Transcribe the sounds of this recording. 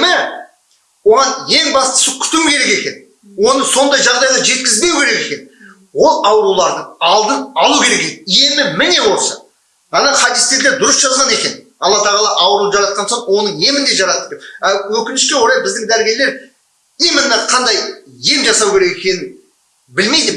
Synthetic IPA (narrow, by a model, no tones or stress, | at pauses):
mɪ | wo̞ʁɑnje̞ŋbɑst̪ə̥sʊkʲʰʏ̥t̪ukʲʰe̞ɾe̞ke̞kʲe̞n | wo̞nəso̞nd̪ɑjʒɑʁd̪ɑjʁɑʒe̞t̪̚kʲɪzbe̞wkʰʲe̞ɾe̞ke̞kʲe̞nɪ | wo̞lˠɑwɾulˠɑɾd̪əɑlˠd̪ənɑlˠukʲʰe̞ɾe̞kekije̞mɪmɪne̞wo̞sɑ | ɑnɑχʰɑd̪ɪst̪ed̪leɾd̪ʊɾəsʒ̥ɑzʁɑne̞kʲe̞n | ɑ̰lˠːɑt̪ʰɑʁɑlˠɑʔɑwɾud̪ʒɑɾɑt̪̚qɑnsoɴwo̞nəɴje̞mɪnd̪e̞ʒɑɾɑt̪əp̚kʲeæwɵkʲɪnɪʃkʲe̞wo̞ɾˠɑjbɪzd̪ɪŋd̪æɾɡʲe̞ɾle̞ɾ | imɪnːɑqʰɑnd̪ɑjje̞mʒɑsɑwkʲe̞ɾe̞kekʲe̞nɪn | bɪlme̞jd̪ɪ